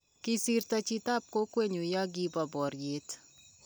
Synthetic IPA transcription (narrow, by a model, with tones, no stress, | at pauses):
kisirt̪at͡ʃit̪aː˦p̚ko˦kwe˨ɲu˨jɔ˦ɡi˦bɔ˨bɔː˨rjeː˨t̪